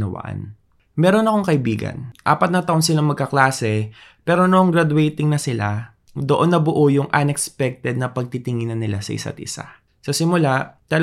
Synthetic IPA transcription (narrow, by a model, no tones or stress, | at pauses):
ɐ̰wɐ̰ʔa̰n | mɛːɾo̞nɐko̞ŋkɐʔɪbiːɡɐ̰nʔa̰ːpɐt̪̚nɐt̪ɐʔonsɪlaŋmɐɡ̚kɐklaːsɛpɛːɾo̞noʔɐŋɡɾɐd̪wɛjt̪ɪŋnɐsɪla̰ | d̪oʔo̞nːɐbʊʔojʊŋʔɐnɛkspɛk̚t̪ɛd̪̚nɐpɐɡ̚t̪it̪ɪŋɪnɐnɪlasɐ̰ʔɪ̰sa̰t̪̚ʔɪ̰sa̰ | sɐsɪmʊlat̪ɐl